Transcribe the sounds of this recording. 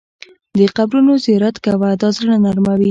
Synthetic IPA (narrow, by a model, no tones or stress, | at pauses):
d̪əqabɾunozɪjɑɾat̪kawad̪ɑzɾəɽanaɾmawi